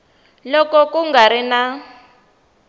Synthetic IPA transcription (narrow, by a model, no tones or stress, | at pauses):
lɔkɔkuŋɡaɾina